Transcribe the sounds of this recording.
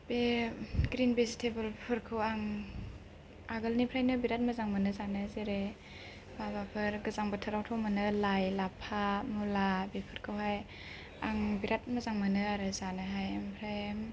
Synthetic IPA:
beɡɾinbezitʰebɯlbpʰɯɾkʰɯwaŋ | aɡɯlnipʰɾajnɯbiɾat̚mɐzaŋmɯnɯzanɯzeɾe | babapʰɯɾɡɯzaŋbətʰɯɾawtʰɔmɯnɯlajlapʰamulabepʰɯɾkʰɯwɦaj | aŋbiɾʔat̚mɐzaŋmɯnɯaɾɯzanɯɦajempʰɾajm

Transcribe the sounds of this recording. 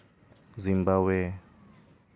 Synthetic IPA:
zimbawɛ

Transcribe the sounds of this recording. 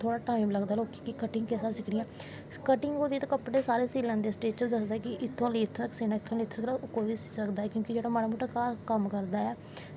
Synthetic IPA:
t̪ʰoːɽaːʈaːɪmləɡd̪aːloːkikɪkəʈɪŋɡkesabsɪkɽɪːãː | kəʈɪŋɡoːd̪iːt̪ːkəpɽeːsaːɾeːsiːlãːnd̪eːsʈeːt͡ʃəd̪əsd̪aɛːkɪʔɪt̪ʰːõːliːɪt̪ʰːaksiːnaːɪt̪ʰːõːleɪt̪ʰːkakoʋiːsɪ̥səkd̪aːɛːkjõːkid͡ʒeːɽaːmaːnaːmuːʈaːkaːɾkəmkəɾd̪aːɛː

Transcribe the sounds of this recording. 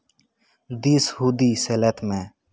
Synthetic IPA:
d̪ishuːd̪iːseːlet̪ʰmẽː

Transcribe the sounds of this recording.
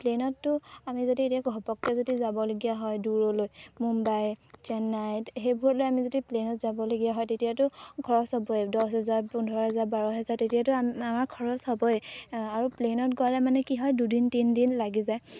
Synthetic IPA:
plenɔtːʊamizodietiaɡʱɔpɔk̚tɛzodizabɔloɡijaɦɔjduɹɔlojmumbajt͡ʃɛnːajtxejbʱuɹɔtlojamizodiplenɔtzabɔloɡijaɦɔjtetijatʊkʰɔɹɔshɔbɔjdɔsɦɛzaɹundʱɔɹɔɦɛzaɹbaɹɔɦɛzaɹtetijatʊamaɹkʰɔɹɔshɔbɔjaɹuplenɔtɡalɛmanɛkiɦɔjdudintindinlaɡizaj

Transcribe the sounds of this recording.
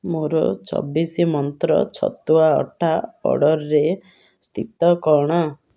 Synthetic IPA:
moɾɔ̰t͡ʃɔ̰bisimɔnt̪ɾɔ̰t͡ʃʰɔ̰t̪uaɔ̰ʈʰapɔ̰ɽɔɾɾe | st̪ʰit̪ɔkɔɽ̃ɔ

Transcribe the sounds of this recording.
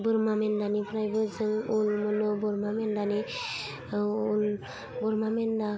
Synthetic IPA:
bɯɾmamendanipʰɾajbɯzɯlulmɔnɯbɔɾmamendani | ul | bɔɾmamenda

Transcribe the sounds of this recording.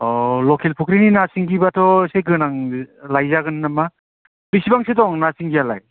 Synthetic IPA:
ɔlɔkʰelpʰukɾininasiŋɡibatʰɔsejɡɯnaŋlajzaɡɯnːama | bisibaŋsedɔŋnasiŋɡijala̰j

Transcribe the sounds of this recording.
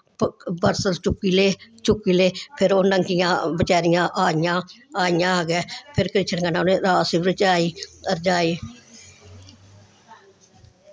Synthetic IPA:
bəɾsəɾt͡ʃʊkːiːleːt͡ʃʊkːiːleːpʰɪɾoːnəŋkɪjãːbət͡ʃaːɾɪjãːʔaːjãːaːɪjãːaːɡɛːpʰɪɾkɾɪt͡ʃʰənkanãneːɾaːsiːbɾət͡ʃaːiːəɾd͡ʒaːiː

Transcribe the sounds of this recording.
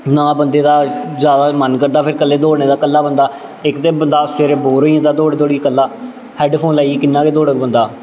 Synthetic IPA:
nãːbənd̪eːd̪aːzjaːd̪aːmənkəɾd̪aːpʰɪɾkəlːeːd̪oːɽneːd̪aːkəlːaːbənd̪aː | ɪkt̪eːbənd̪aːst͡ʃeːɾeːboːɾoːiːãːd̪aːd̪oːɽeːd̪oːɽiːkəlːaː | hɛːɖpʰoːnlaːiiːkɪnːãːkeːd̪oːɽəkbənd̪aː

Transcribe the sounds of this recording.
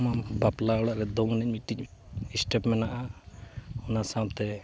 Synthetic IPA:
mabaplaɔɽaʔɾɛd̪ɔŋnɛc̚miʈːiisʈɛpmɛnaʔa | ɔnasap̚t̪ɛ

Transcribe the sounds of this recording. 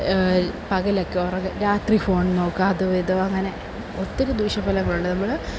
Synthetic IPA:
pɐɣɐlɐkːeorɐŋɐɾaːt̪rifo̞ːɳno̞ːkːaːðuʋejðoɐŋːɐne̞ | ot̪ːiɾud̪uːʂɐpːɐlɐŋːɐɭuɳɖɐnɐmːɐɭɨ

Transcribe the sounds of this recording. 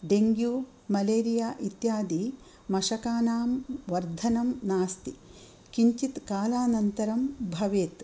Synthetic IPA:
ɖeŋɡjuː | mɐleːɾijaːʔit̪jaːd̪i | mɐʃɐkaːnaːmʋɐɾd̪ʱɐnɐmnaːst̪i | kiɲt͡ʃit̪kaːlaːnɐnt̪ɐɾɐmbʱɐʋeːt̪

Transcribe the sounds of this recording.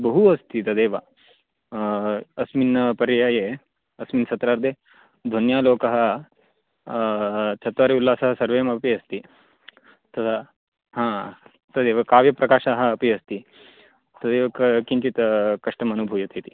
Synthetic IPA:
bɐɦuɐst̪it̪ɐd̪eːʋɐ | ɐsminpɐɾɐjaːje | ɐsminsɐt̪ɾaːɾd̪ʱeː | d̪ʱonjaːloːkɐɦɐ̆ | t͡ʃʰɐt̪ʋaːɾiulːaːsɐɦɐsɐɾʋeːmɐpiɐst̪i | t̪ɐt̪ʰɐ | ɦãː | t̪ɐd̪eːʋɐkaːʋjɐpɾɐkaːʃaːɦɐ̆ːpiɐst̪i | t̪ɐd̪eːʋɐkɐkiɲt͡ʃit̪kɐʂʈɐmɐnubʱujɐt̪ʰit̪i̥

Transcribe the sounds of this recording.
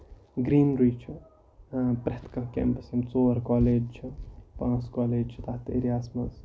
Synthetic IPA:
ɡɾiːnɾuːt͡ʃʰu | pɾeht̪kɐkḛ̃ːmpɐsimt͡soːɾkaːleːd͡ʒt͡ʃʰipãːt͡skaːleːd͡ʒt͡ʃʰit̪aht̪ḛːɾjaːsmɐz

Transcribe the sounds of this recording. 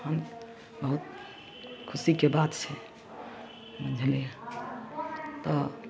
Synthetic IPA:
ən | bəɦut̪ | kʰusikebat̪t͡ʃʰɛ | bəd͡ʒʱlẽ | t̪ɔ

